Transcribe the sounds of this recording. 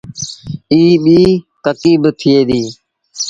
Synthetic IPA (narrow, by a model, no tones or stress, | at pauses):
iːɓiːt̪əkiːbt̪ʰɪeːd̪iː